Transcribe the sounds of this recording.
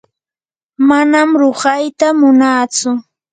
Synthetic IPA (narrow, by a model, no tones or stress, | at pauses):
manamɾoɢajt̪amʊnaːt͡sʊ